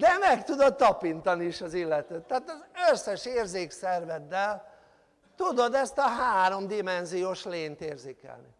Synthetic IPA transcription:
d̪ɛmɛkt̪ud̪o̞t̪ːɒpint̪ɒniiʃɒzilːɛt̪øːt̪ːaːt̪ɒzøsːɛʃeːrzeːksɛrvɛd̪ːɛl | t̪ud̪o̞d̪ɛst̪ɒɦaːɾo̞md̪imɛnzijoːʃleːnt̪eːrzeːkɛ̰lnḭ

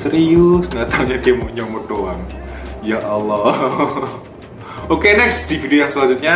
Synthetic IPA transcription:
səɾiʊsŋat̪auɲadiaməɲɔmod̪oaŋjaʔalːɔ | okenɛksd̥ifideojaŋsəlaɲd͡ʒut̪̚ɲa

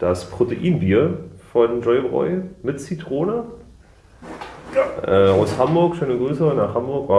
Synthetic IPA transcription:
d̥aspʁ̥oteʔiːnbiːɐfɔnd͡ʒɔʏbʁɔ̰ʏmɪtt͡sitʁ̥oːnə | ʔɛːʔaʊshambʊɐkʃøːnəɡʁyːsəʊnnaːχhambʊɐkvaː

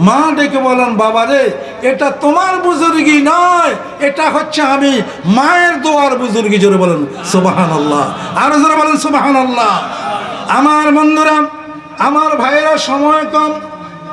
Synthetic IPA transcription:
mãd̪ekebɔlenbabad̪e | eʈat̪omaɾbuzuɾɡinɔj | eʈaɦotːɕʰeami | maeɾd̪oaɾbuzuɾɡid͡ʑoɾebɔlen | subɦaːnalːa̰aɾod͡ʒoɾebɔlensubɦaːnalːa | amaɾmɔnd̪oɾa | amaɾbʱajɾaʃɔmɔekɔm

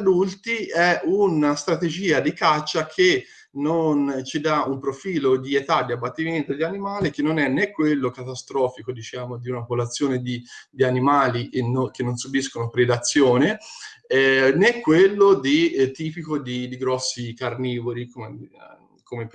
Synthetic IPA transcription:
ad̪ult̪iɛunast̪ɾat̪ed͡ʒiːad̪ikat͡ʃːakʰe | nont͡ʃid̪aumpɾofiːlod̪iet̪ad̪ːiabːat̪ːiment̪od̪ianimaːlik̟enːonɛnːekːwelːokat̪ast̪ɾɔːfikod̪it͡ʃaːmod̪iunapolat̪sːjoːned̪id̪ianimaːlinok̟enːonsubiskonopɾed̪at̪sːjoːne | ɛnekːwelːod̪it̪iːpikod̪id̪iɡɾɔsːikarniːvolikome | kome

